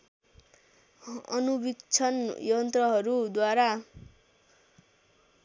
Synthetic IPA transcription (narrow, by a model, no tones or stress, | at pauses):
ʌ̰nubikt͡sʰʌnjʌnt̪rʌɦʌɾud̪waɾa